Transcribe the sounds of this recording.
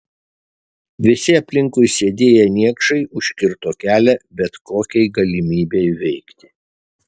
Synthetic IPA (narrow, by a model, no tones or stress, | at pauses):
ʋʲɪsʲɪɐpʲlʲɪŋkʊɪsʲeːd̪ʲeːjɛnʲiɛkʃɐɪʊʃʲkʲɪɾt̪oːkʲæːlʲɛbʲɛt̪koːkʲɛɪɡɐlʲɪmʲiːbʲeɪʋʲɛɪkt̪ʲɪ̥